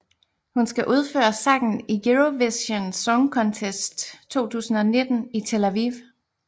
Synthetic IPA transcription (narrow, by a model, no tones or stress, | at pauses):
hunsɡ̥æʔuð̞ˠfø̰ːɐsɑ̈ŋn̩iɡeʁoʋesənsɒŋkʰɒ̽nt͡sʰesd̥t͡sʰo̝̰ːt͡sʰṵːsn̩ɒ̽ne̝d̥n̩it͡sʰe̝læʋiʋ